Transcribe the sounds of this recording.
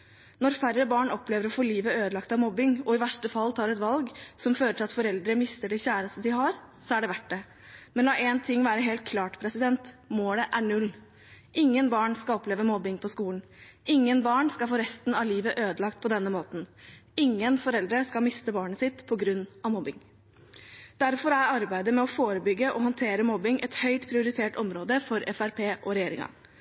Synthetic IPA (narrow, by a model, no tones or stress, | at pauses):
nɔɾfærːəbɑːɳɔpleːʋəɾɔfoːliːʋəøːd̪əlɑkt̪ɑʋmɔbɪŋɔɪʋæʂʈəfɑlːt̪ʰɑːɾɛt̪ʋɑlɡsɔmføːɾəʈʰɪlɑt̪fɔɾɛld̪ɾəmɪst̪əɖɛçæːɾəst̪əd̪ɪhɑɾsɔæɖɛʋæʈ̚ɖɛ | mɛnlɑːʔɛnt̪ʰɪŋːʋæːɾəɦeːlt̪̚kʰlɑːʈpʰɾɛsɪd̪ɛnt̪moːləʔæɳʉlː | ʔɪŋːənbɑːɳskɑlɔpleːʋəmɔbːɪŋpʰɔskuːlən̩ɪŋːənbɑːɳskɑlfoːɾɛst̪n̩ɑʋliːʋəʔøːd̪əlɑk̚t̪̚pʰɔd̪ɛnːəmoːt̪n̩ɪŋːənfɔɾɛld̪ɾəskɑlmɪst̪əbɑːɳəsɪt̪pʰɔɡɾʉnːɑʋmɔbɪŋ | d̪̥æɾfɔɾæɪɑɾbæɪd̪əmɛɔfoːɾəbʏɡːəʔɔɦɔnt̪ʰeːɾəmɔbɪŋʔɛt̪hœʏt̪pʰɾɪʊɾɪt̪ʰeːʈɔmɾoːd̪əfɔɾɛfæɾpʰeːʔɔɾɛjeːɾɪ̰ŋɑ̰